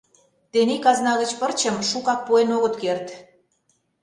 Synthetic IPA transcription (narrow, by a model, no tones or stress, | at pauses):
t̪enikɑznɑɣə̆t͡ɕpə̆rt͡ɕə̆mʃukɑk̚puenoɣə̆t̪kert̪